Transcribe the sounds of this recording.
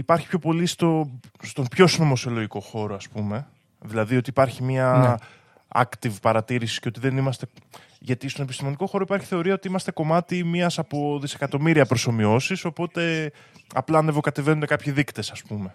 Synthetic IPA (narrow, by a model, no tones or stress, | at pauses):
ipɐɾçipço̞po̞list̪o̞st̪o̞pço̞snomo̞sio̞lo̞ʝiko̞xo̞ɾoɐspume̞ | ðilɐðio̞t̪iːpɐɾçimɐ | ɐ̰kt̪ivpɐɾɐt̪iɾisisceot̪iðe̞nimɐst̪e̞ | ʝɐt̪ist̪one̞pist̪imo̞niko̞xo̞ɾo̞ipɐɾçi̥θe̞o̞ɾiɐo̞t̪iimɐst̪e̞ko̞mɐt̪imiɐsɐpo̞ðise̞kɐt̪o̞miɾiɐpɾo̞so̞mio̞siso̞po̞t̪e̞ | ɐplɐɐnevo̞kɐt̪e̞ve̞nunekɐpçiðikt̪e̞sɐspume̞